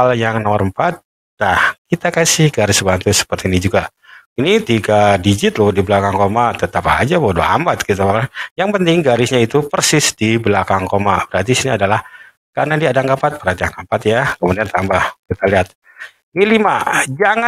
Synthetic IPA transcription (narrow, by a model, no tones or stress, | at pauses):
aljaŋnomərəmpat̪̚ | dahkit̪akasɪhɡaɾɪsbant̪ʊsə̥pərt̪inid͡ʒuɡa | init̪iɡadid͡ʒɪt̪lʊhdiblakaŋkomat̪ət̪apa̰d͡ʒabodoa̰mat̪̚kit̪abakajaŋpənt̪ɪŋɡaɾɪsɲait̪upərsɪsdibəlakaŋkomab̥əɾhart̪̬isiniadalah | karnadiadaŋkəpat̪̚bəɾɦat̪iaŋəmpat̪jakəmudiant̪ambahkit̪aliɦat̪̚ | nilimad͡ʒaŋa